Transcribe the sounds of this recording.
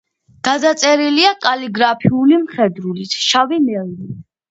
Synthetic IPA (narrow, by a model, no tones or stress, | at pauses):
ɡ̥ad̪at̪sʼɛɾiliakʼaliɡɾapʰiulimχɛd̪ɾulit̪ʰʃavimɛlni